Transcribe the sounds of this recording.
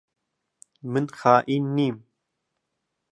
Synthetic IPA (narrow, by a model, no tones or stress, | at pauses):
mɨnxaːʔiːnːiːm